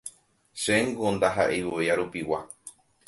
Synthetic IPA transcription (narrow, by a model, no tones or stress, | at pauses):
ʃeŋɡond̪aɦa̰ʔewueaɾupiwa